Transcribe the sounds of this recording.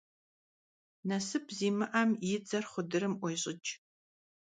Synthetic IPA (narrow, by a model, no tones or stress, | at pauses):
nɐsɨpʰziːmɨʔamjɪd͡zɐrχʷʊdɨɾɨmʔʷɔjɕʼɪt͡ʃʼ